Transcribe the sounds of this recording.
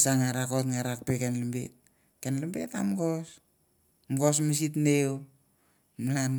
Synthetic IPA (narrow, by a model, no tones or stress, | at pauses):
saŋaɾakotŋaɾak̚pekenlimbḛt̚ | kenlimbeta̰mɡos | mɡos̬mis̬itnew | mlan